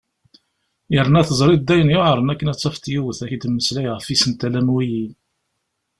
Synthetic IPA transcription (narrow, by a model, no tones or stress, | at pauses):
jəɾnæθəzˤɾˤid̪ːæjənjoʕəɾˤənækːənæt͡sːɑft̪juwəθæçid̪mːəslæjʁəfisənt̪ælæmwijin